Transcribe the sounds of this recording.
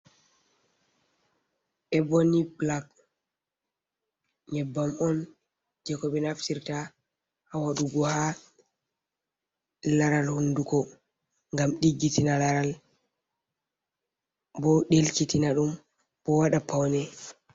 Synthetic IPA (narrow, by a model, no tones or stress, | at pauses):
ʔɛbɔniblak | ɲɛbːamɔn | d͡ʒɛkɔɓɛnaftiɾta | hawaɗuɡɔha | laɾalhundukɔ | ŋɡamɗiɡːitinalaɾal | bɔɗelkitinaɗum | b̥ɔwaɗapawnɛ